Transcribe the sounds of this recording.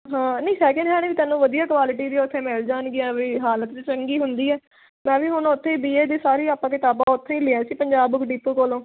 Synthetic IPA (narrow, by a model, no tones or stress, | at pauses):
ɦãːnəĩːsɛːkə̃ɳɖɦɛːneːkit̪ɛːnːũːʋəd̪ijaːkʋaːlɪʈiːd̪iːʊt̪ʰːeːmeːld͡ʒaːnɡɪãːbiːɦaːlət̪ːt͡ʃəŋɡiːɦʊnd̪iːɛː | mɛ̃ːʋiːɦʊnːʊt̪ʰːẽiːbiːeːd̪eːsaːɾiːaːpːãːkɪt̪aːbãːʊt̪ʰːẽːĩːlɪɛ̃ːsiːpəɲd͡ʒaːbkɖiːpːokoːlõː